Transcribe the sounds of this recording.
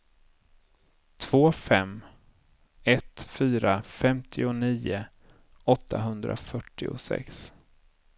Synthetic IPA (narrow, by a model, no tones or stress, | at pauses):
t̪ʰv̥oːfɛm | ɛt̪fyːɾafɛmt̪ʰɪʊniːʊ | ɔt̪ʰːaɦɵnd̪ɾa̰fœʈːɪʊ̰sɛ̰ks